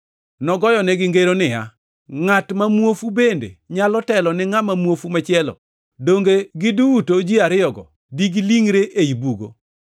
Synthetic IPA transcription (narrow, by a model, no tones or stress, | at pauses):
nɔɡɔjɔnɛɡɪŋɡeɾonɪa̰ | ŋatmamwofubendḛɲalɔtɛlɔnɪŋamamwofumat͡ʃɪɛlɔ̰ | doŋɡeɡɪduutod͡ʒiaɾɪjɔɡɔ̰ | diɡiliŋɾeʔejibuɡo̰